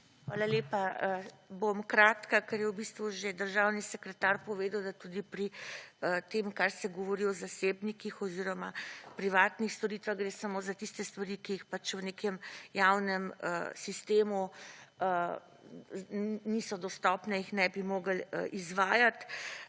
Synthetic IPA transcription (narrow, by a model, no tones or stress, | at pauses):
xʋaːlaleːpa | bomkɾaːt̪kakɛɾjɛwbist̪ʋuʒed̪əɾʒawnisɛkɾɛt̪aːɾpɔʋeːd̪əwd̪at̪ud̪ipɾiət̪emkaɾsɛɡɔʋɔɾiɔzaseːbnikixɔziɾɔmapɾiʋaːt̪nixst̪ɔɾiːt̪ʋaɣɡɾeːsamoːzat̪ist̪ɛst̪ʋaɾikiːxpat͡ʃwnekɛmjawnɛməsist̪eːmuə | nisɔd̪ɔst̪ɔpnɛixnɛbimoːɡəlizʋaːjat̪